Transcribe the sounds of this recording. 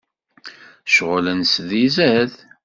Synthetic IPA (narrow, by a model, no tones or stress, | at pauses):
ʃʁəlænsðizæð